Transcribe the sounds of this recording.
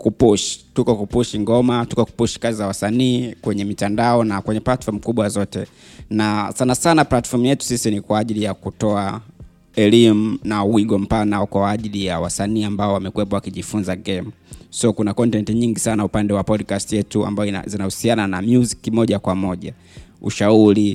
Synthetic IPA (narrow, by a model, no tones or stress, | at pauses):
kupuʃi̥tukɔkupuʃiŋɡɔmatukɔku̥puʃi̥kazizawasaniːkwɛɲɛmitandaɔnakwɛɲɛplatfɔɾm̩kuɓwazɔtɛ | nasanasanaplatfɔm̩ujɛtu̥sisinikwaːʄilijakutɔa | ɛlimunauwiɡɔm̩panaɔkwaːʄilijawasaniːambaɔwamɛkuwɛpɔwakiʄifunzaɡɛm̩sɔkunakɔntɛntiɲiŋɡisanaupandɛwapɔdkastijɛtua̰mbaɔa̰zinahusiananamjuzikimɔʄakwamɔʄa̰ | ṵʃauɾi